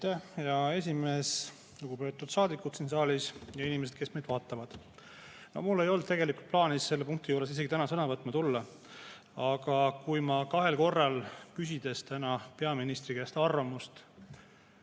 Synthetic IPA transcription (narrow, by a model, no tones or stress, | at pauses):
t̪ːæhjɑe̞s̬ʲime̞ːs | luɡ̥upe̞t̪ːˑud̪̥sɑːd̪ikːˑut̪sinsɑːlʲisjɑinimese̞d̪̥̚ke̞smed̪vɑːt̪ːˑɑvɑd̪̥ | nohmulːe̞jo̞ld̪̚t̪eɡe̞likult̪̚plɑːnisːe̞lːepuŋk̚t̪ijuːɾe̞s̬is̬e̞ɡit̪ænɑsɤnɑvɤt̪ːˑmɑt̪ulːɑ | ɑɡ̥ɑkujmɑkɑɦe̞lko̞rːɑlkys̬ʲid̪e̞st̪ænɑpe̞ɑminist̪rikæst̪ɑrvɑmust̪